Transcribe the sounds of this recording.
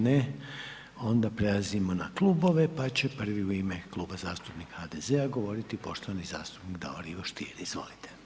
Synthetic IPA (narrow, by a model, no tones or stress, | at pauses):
ne | o̞nd̪apɾe̞lˠazimo̞naklˠubo̞ʋe̞pat͡ɕe̞pr̩ʋiuimeklˠuːbazaːst̪upnikhad̪eze̞aɡo̞ʋo̞ɾit̪ipo̞ʃt̪oʋaniza̰ːst̪u̥pnikd̪a̰oɾiʋoʃt̪ḭːɾiizʋo̞̰lit̪ʰe